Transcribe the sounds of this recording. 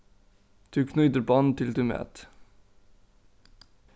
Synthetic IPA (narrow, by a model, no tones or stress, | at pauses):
d̪̥ʉːkʰnʉːt̪əɾbɑnt̪ʰɪld̪ʉːmø̰ːt̪